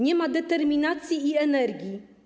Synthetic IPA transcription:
ɲɛmad̪ɛt̪ɛɾmʲinat̪sʲjiːɛnɛɾɡʲji

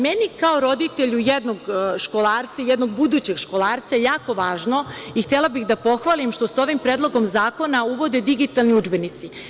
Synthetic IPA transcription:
menikao̞ɾo̞d̪it̪eʎujed̪noɡʃkolˠaːɾt̪sajɛd̪no̞ɡ̚bud̪ut͡ɕe̞ɡʃko̞lˠaːɾt̪sajejaːko̞ʋaːʒno̞ixt̪elˠabixd̪apo̞xʋaːlimʃt̪o̞so̞ʋimpɾeːd̪lˠo̞ɡo̞mzaːko̞nauʋo̞d̪e̞d̪iɡit̪alˠniud͡ʒbenit̪si

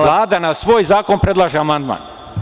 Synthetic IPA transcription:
laːd̪anasʋoːjzaːko̞npɾe̞d̪lˠaːʒeamand̪ma̰ːn

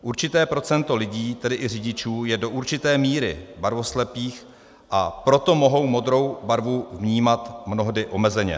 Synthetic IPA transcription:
ʔuɾt͡ʃɪt̪ɛːpɾo̞t͡sɛnt̪o̞lɪɟiːt̪ɛdɪʔɪrɪɟɪt͡ʃuːjɛdo̞ʔuɾt͡ʃɪt̪ɛːmiːɾɪ̰baɾvo̞slɛpiːx | ʔapɾo̞t̪o̞mo̞ɦo̞wmo̞d̪ɾo̞wbaɾvuvɲiːmat̪mno̞ɦdɪʔo̞mɛzɛɲɛ̰

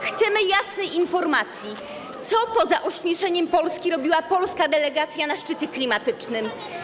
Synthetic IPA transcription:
xt̪sɛmɘjasnɛjinfɔɾmat̪sʲji | t̪sɔpɔzaʔuɕmʲɛʂɛɲɛmpɔlskʲiɾɔbʲiwapɔlskad̪ɛlɛɡat̪sʲjanaʂt͡ʂɘt͡ɕɛklʲimat̪ɘt͡ʂnɘm

